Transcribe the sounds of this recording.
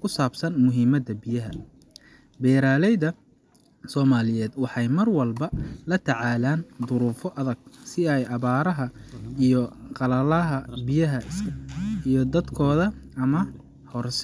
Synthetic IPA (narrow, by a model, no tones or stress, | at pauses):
kʰʊsaːbsɐnmʊɦiːmɐd̪ɐbɪjɐɦɐ | bɛːɾaːlɛjðɐ | sɔːmaːlɪjɛːd̪wɑħɑjmɐrwɐlbɐlɐt̪ʰɑʕɑːlaːnd̪ʊɾuːfɔʔɐðɐɡ̥̚sɪɛjʔɑβaːɾɐɦɐijɔqɑlɐlɐɦɐbɪjɐɦɐʔɪsʰɐijɔd̪ɐd̪kʰɔːðɐ | ɐmɐ | hɔrs